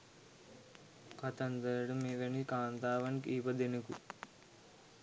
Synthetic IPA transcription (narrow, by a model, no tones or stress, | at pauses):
kɐt̪ɐnd̪ɐɾɐɽumiʋɐnikaːnd̪aːʋɐnkiːʋɐd̪enukṵ